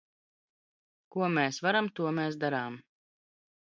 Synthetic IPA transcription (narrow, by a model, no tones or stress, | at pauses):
kuɔmɛːsvaɾamt̪uɔmeːs̬d̪aɾaːm